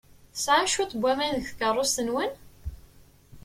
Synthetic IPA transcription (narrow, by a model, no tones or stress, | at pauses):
sʕaʃut̪ˤbʷːæmænəçθkərˤːost̪ənwən